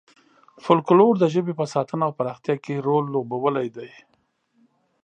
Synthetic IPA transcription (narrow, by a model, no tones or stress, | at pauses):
fʊlkloɾd̪əʒəbepəsɑt̪ənaːwpaɾɑxt̪jɑkeɾolːobawəlajd̪aj